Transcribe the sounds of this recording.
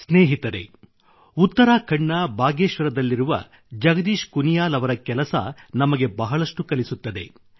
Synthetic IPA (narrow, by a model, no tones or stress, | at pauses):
sneːɦit̪ɐɾe̞̰ | ut̪ːɐɾaːkʰɐɳːɐbʱaːɡeːʃʋɐɾɐd̪ɐlːiɾuʋɐ̰ | d͡ʒɐɡɐd̪iːʃkunijaːlɐʋɐɾɐkɛlɐsɐ̰nɐmɐɡe̞bɐɦɐɭɐʂʈukɐlisut̪ːɐd̪e̞̰